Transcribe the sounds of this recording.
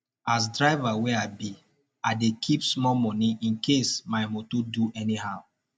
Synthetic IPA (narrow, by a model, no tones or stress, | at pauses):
as̬dɹaɪvaweaɪbi | aɪdekʰipsmɔmɔniĩnkʰesmaɪmotoduʔɛnihaʊ